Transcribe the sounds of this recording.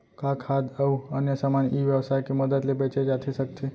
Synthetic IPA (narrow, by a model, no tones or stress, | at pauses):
kakʰad̪əuənjəsamaniʋjəʋsajkiməd̪əd̪lebet͡ʃed͡ʒat̪ʰesəkt̪ʰe